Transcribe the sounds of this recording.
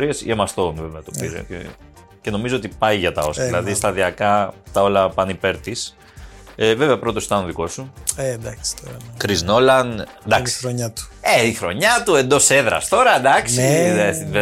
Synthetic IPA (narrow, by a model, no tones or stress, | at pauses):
ɾiesḭemɐst̪onveveɐt̪opḭɾḛcḛ | ce̞no̞mizoot̪ipɐjʝɐt̪ɐ̰o̞sɐðilɐðist̪ɐðiɐkɐt̪ɐo̞lɐpɐnipe̞ɾt̪is | eve̞veɐpɾo̞t̪o̞si̥t̪ɐnoðiko̞sued̪ɐkst̪oɾkɾizno̞lɐn | d̪ɐksi̥ɾoɲɐt̪u̥eixɾo̞ɲɐt̪ue̞nd̪o̞se̞ðɾɐ̰st̪o̞ɾɐd̪ɐksiðee